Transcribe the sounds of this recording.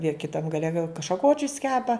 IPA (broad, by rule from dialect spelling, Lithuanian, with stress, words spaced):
jiɛ kʲɪˈtɐm ɡɐˈlʲɛ ɡɐlˠ ʃɐˈkoːt͡ʃʲʊs ˈkʲæːpɐ